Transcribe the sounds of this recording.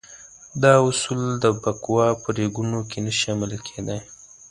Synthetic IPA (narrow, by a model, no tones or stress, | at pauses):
d̪ɑʊsuld̪əbakwɑpəɾeɡunokenaʃɑmɪlkʰed̪aj